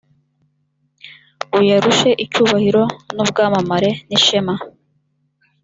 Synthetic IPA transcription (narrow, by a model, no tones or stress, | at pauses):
ujaɾuʃe̞ʔicuːβahiɾo̞nub̚ɡaːmamaɾe̞niʃema